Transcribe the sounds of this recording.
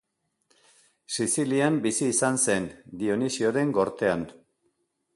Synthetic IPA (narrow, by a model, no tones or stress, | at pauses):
sisiliambisiːsanse̞nd̪io̞nisio̞ɾe̞ŋɡo̞ɾt̪e̞an